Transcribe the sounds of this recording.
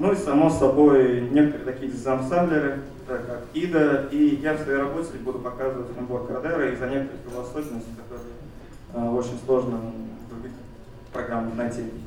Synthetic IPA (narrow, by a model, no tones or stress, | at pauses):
nuisɐmo̞sːɐbo̞jnʲe̞kət̪əɾɨːt̪ɐkʲijəzzɐmsɛnd̪lʲɪɾɨ | t̪akakid̪əijafsvɐejɾɐbot̪ʲtʲɪlʲɪbud̪ʊpɐkazɨvətʲvʲnboɾkəɾɐd̪ɛɾəizɐnʲekət̪əɾɨxʲɪvˠɐsoɕʲɪnəsʲtʲɪ̥kɐt̪o̞ɾɨjə | əot͡ɕɪnʲslˠo̞ʐnəɡ̪ɾʊbʲitʲ | pɾɐɡɾamːɨnɐjtʲi